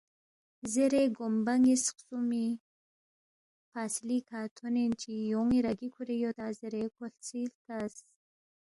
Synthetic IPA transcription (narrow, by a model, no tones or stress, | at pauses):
ziɾeɡombaŋisqsumi | paslikʰaːt̪ʰonent͡ʃʰijoŋiɾɐɡikʰuɾejot̪aːzɨɾekʰoɬt͡sʰilkas